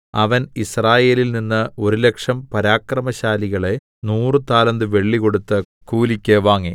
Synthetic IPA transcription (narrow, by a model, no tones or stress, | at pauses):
ɐʋɐnisraːje̞ːlilninːɨo̞ɾule̞kʂɐmpɐɾaːkrɐmɐɕaːliɣɐɭe̞ | nuːrɨt̪aːlɐnd̪ɨʋe̞ɭːiko̞ɽut̪ːɨ | kuːlikʲːeʋaːŋːe